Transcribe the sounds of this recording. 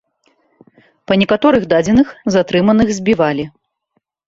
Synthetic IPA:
pɐnʲɛkat̪ɔɾɨɣd̪ad͡zʲɛnɨxzat̪ɾɨmɐnɨɣzʲbʲivalʲi

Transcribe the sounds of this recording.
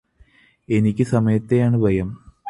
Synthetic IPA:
e̞nikʲːɨsɐmɐjɐt̪ːejaːɳɨbʱɐjɐm

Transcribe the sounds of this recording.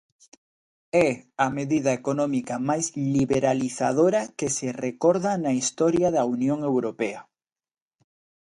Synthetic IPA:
ɛɐmeðiðɐekonɔ̃mikɐmajzliβeɾaliθaðoɾɐkeserekɔɾðanɐist̪ɔɾjaðɐunjoŋewɾopeɐ

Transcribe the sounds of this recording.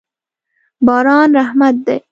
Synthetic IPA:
bɑːɾɑːnɾahmat̪̚d̪ej

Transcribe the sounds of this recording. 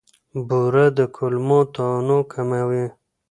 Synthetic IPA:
buɾad̪əkʰʊlmõt̪onokʰamawi

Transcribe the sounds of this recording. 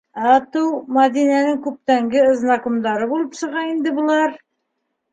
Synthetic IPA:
ɑt̪uwmad̪inænɘŋkʉp̚t̪æŋɡɘə̆znɑkumd̪ɑɾɤbulˠɤpsɤ̆ʁɑind̪ɘbŏlˠɑɾ

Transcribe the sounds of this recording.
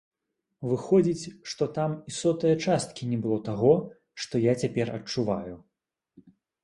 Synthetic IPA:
vɨxɔd͡zʲit͡sʲʂt̪ɔt̪amisɔt̪ɨjɐt͡ʂast̪̚kʲinʲɛbɨlˠɔt̪aɣɔ | ʂt̪ɔjat͡sʲapʲɛrɐ̰t͡ʂuva̰ju

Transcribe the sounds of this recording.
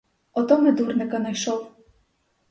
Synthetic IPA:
ɔt̪ɔmɛd̪urnɪkɐnɐjʃɔw

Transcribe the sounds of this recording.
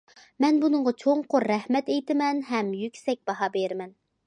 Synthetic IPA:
mɛnbunɨɴʁɑt͡ʃʰoŋqoɾːɛhmɛt̪ejt̪ɪmɛnɦɛmjykʲsɛk̚ʲb̥ɑɦɑbeɾmɛn

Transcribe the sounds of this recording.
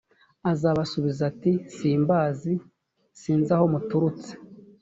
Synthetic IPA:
azaβasuβizatisiːmbaːzi | siːnzaho̞mutuɾut͡se̥

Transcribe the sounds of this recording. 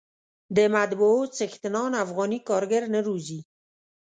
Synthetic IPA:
d̪emad̪boot͡sext̪ənɔːnafɣɔːnikɔːɾɡeɾnəɾuzi

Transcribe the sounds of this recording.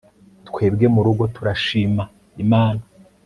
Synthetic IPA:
tkwe̞ːbɡe̞muɾuɡo̞tuɾaʃiːma | imaːna

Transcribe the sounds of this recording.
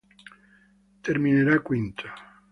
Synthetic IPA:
t̪eɾmineɾakwint̪ʰo̥

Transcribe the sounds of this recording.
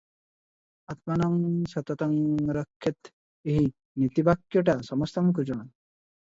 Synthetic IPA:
at̪̚manɔŋsɔt̪ɔt̪ɔŋɾɔkʰːet̪ | eɦi | nit̪ibakjɔʈasɔmɔst̪ɔmkud͡ʒon

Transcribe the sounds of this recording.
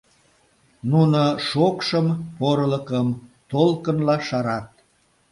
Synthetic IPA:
nunoʃokʃəmpoɾləkəmt̪olkənlɑʃɑɾɑt̪̚

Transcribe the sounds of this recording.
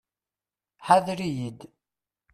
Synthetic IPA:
ħaðɾijid̪

